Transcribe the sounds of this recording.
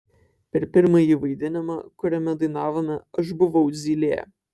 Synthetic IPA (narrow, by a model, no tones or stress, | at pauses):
pʲɛɾpʲɪɾmɐjiʋɐɪd̪ʲɪnʲɪmɑ̰kʊɾʲɛmʲɛd̪ɐɪnɑːʋoːmʲɛɐʃ̬bʊʋɐʊzʲiːlʲejɛ̰